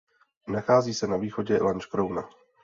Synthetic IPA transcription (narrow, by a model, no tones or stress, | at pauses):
naxaːziːsɛnaviːxoɟɛ̰lant͡ʃkɾowna